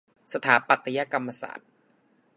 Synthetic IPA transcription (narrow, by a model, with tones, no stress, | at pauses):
sa˧t̪ʰaː˩˦pa˨˩t̪ʰːa˧ja˧ka˧mːa˧sa̰ː˨˩t̪̚